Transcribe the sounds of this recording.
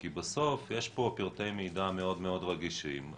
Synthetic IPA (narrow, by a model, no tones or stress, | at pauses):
kibeso̞fjeʃpo̞piʁt̪ejmejdameo̞dmeo̞d̪ʁaɡiʃim